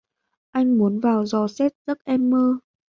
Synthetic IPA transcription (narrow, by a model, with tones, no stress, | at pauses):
ʔa˧jŋ̟mu˨˦ənvaː˨˩wzɔ˨˩sɛ˦˥t̚z̥ə˦˥t̚ʔɛ˧mːəː˧